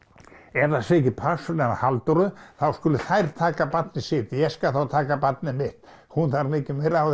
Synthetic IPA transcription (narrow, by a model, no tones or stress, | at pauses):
ɛɾðasecɪpʰasɔlɛnahalt̪ɔɾʏθawskʏːlʏθajɾt̪ʰaːkapat̪̚nɪsɪːt̪ɪjɛskaθawt̪ʰaːkapat̪̚nɪnmɪht̪ | hunθaɾmɪːcɪmœɥɾaw